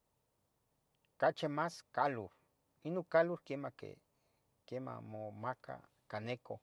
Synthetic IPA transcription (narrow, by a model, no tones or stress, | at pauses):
kat͡ʃemaskaluɾ | inokaluɾkemakḛ | kema̰momaka̰ | kaneko